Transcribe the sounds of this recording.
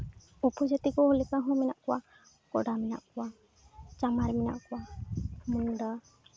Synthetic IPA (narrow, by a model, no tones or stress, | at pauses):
upɔd͡ʒat̪ikɔɦɔlɛkaɦɔ̃mɛna̰ʔkɔwa | kɔɖamɛna̰ʔkɔwa | t͡ʃamaɾimina̰ʔkɔwamuŋɖa